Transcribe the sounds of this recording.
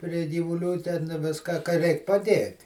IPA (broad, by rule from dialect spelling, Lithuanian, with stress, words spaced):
pʲrʲɪ ɡʲiːʋʊˈlʲuː tʲɛn ˈʋʲɪskɐ kɐ ˈrʲɛɪk pɐˈdʲeːtʲ